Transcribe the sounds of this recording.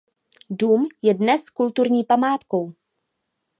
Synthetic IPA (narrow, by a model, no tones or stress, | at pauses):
duːmjɛdnɛskult̪uɾɲiːpamaːt̪ko̞w